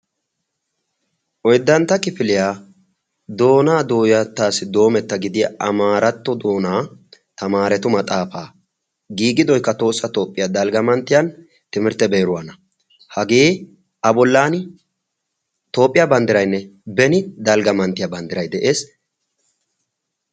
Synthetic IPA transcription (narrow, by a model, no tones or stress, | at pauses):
ʔɔjd̪ːɐnt̪ːɐkɪfɪlɪjaː | d̪o̞ːnaːd̪o̞ːjɐt̪ːaːsɪd̪o̞ːmɛt̪ːɐɡɪd̪ɪjɐʔɐmaːɾɐt̪ːɔd̪o̞ːnaː | t̪ɐmaːɾɛt̪ʊmɐt̪ʼaːfaː | ɡiːɡɪd̪ɔjkːɐt̪o̞ːsːɐt̪o̞ːpʼːɪjad̪ɐlɡɐmɐnt̪ːɪjan | t̪ɪmɪɾt̪ːɛbeːɾʊwanɐ | hɐɡeː | ʔɐbɔlːaːn | t̪o̞ːpʼːɪjabɐnd̪ɪɾɐjnːɛbɛnɪd̪ɐlɡɐmɐnt̪ːɪjabɐnd̪ɪɾɐjd̪ɛʔe̞ːs